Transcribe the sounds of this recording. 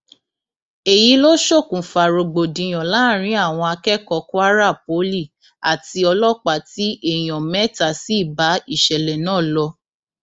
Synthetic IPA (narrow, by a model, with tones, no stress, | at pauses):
e˨ji˨˦lo˦ʃo˦˨kũ˨fa˨ɾo˨ɡ͡bo˨dĩ˨j̃ɔ̃˨la˨˦˨ɾ̃ĩ˨˦a˦˨w̃ɔ̃˧a˧kɛ˦kɔ˧˦ku˦a˦ɾa˦˨p̚o˨˦li˦˨ | a˨ti˧˦ɔ˧lɔ˦˨k͡pa˨ti˨˦ʔe˦˨j̃ɔ̃˨mɛ˦ta˨si˦˨ba˨˦i˦˨ʃɛ˨lɛ˨nãː˦˨lɔ˧